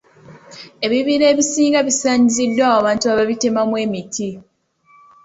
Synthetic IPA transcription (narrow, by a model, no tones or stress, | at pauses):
e̞βiβiɾe̞ːβisiːŋɡaβisaːɲizidːwawaβaːntuaβaβite̞mamwe̞ːmitʰi